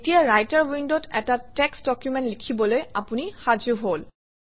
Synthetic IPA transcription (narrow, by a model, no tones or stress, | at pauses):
etijaɹajtaɹwindɔtɛtatɛksdɔkjumɛntlikʰibɔlojapunixad͡ʒuɦol